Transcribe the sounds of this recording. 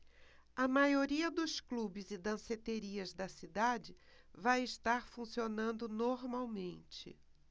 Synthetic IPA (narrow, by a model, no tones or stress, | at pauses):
ɐmajoɾiɐd̪ʊsklubɪzɪd̪ɐ̃set̪eɾiɐzd̪ɐsid̪ad͡ʒɪ | vajɪst̪aɾfũsionɐ̃nd̪ʊnoɾmawmẽnt͡ʃɪ̰